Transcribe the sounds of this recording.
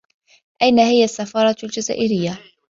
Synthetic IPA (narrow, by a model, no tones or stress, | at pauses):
ʔajnahɪjasːafɑːɾˤɑld͡ʒaza̰ːʔɪɾɪjːa